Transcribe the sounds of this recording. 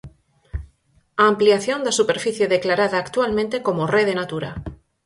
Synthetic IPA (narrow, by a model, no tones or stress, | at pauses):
aːmpliaθjõ̞nd̪asupeɾfiθje̞ðeklaɾaðaːkt̪walmẽnt̪ekomoreðenat̪uɾa